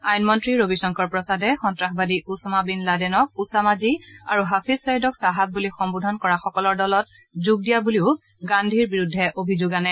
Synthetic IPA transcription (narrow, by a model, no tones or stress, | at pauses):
ajnmɔntɹiɹobisɔŋkɔɹpɹɔsadɛxɔntɹaxbadiʔusɔmabinladɛnɔk̚usamazia̰ɹuɦapʰizsajidɔksaɦat̚bulixɔmbudʱɔnkɔɹaxɔkɔlɔɹdɔlɔt̚ | zuɡ̚dijabuliʊɡandʱiɹbiɹudʱːɛʔobʱizʊɡanɛ